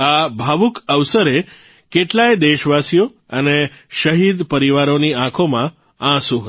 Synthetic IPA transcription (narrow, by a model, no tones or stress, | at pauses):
abʱaʋukəʋsəɾe | keʈlajd̪eʃʋasijo | əneʃəɦid̪pəɾiʋaɾoniãkʰomã | ãsũɦ